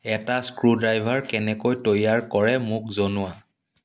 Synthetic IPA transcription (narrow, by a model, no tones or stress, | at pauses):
ɛtaskɹudɹajbʱaɹkɛnɛkojtojaɹkɔɹɛmʊk̚zonʊwa